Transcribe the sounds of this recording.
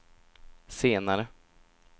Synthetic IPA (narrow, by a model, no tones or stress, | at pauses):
seːnaɾə